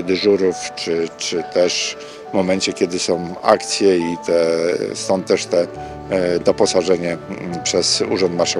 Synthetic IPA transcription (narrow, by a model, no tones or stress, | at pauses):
d̪ɘʐuɾuft͡ʂɘt͡ʂɘt̪ɛʂ | vmɔmɛɲt͡ɕɛkʲɛd̪ɘsɔ̃w̃a̰kt̪sʲjɛit̪ɛsɔ̃nt̪̚t̪ːɛʂt̪ɛ | d̪ɔpɔsaʐɛɲɛpʂɛzṵʐɔ̃nt̪naʂɛ